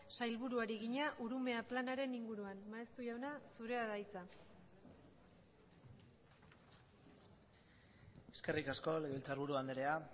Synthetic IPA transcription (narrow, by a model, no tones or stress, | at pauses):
sajlβuɾuaɾiɣ̞iɲaʔuɾume̞aplanaɾe̞niŋɡuɾuanmaest̪uʝawnasuɾe̞aðajt͡sa | e̞ske̞rikasko̞leɣelt͡saɾβuɾuand̪eɾea